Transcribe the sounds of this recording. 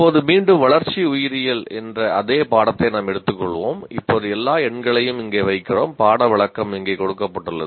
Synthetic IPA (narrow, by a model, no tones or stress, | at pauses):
pːoːðɯmiːɳɖɯmʋɐɭɐɾt͡ʃːiʊjɪɾɪjɪlɛndrɐʔɐðeːpaːɽɐt̪ːɐɪnaːmɛɽɯt̪ːɯkːɔɭːɯʋoːmɪpːoːðɯɛlːaːɛɳɡɐɭɐjɯmɪŋɡeːʋɐɪkːɪroːmpaːɽɐʋɪɭɐkːɐmɪŋɡeːkɔɽɯkːɐpːɐʈːɯlːɐ̰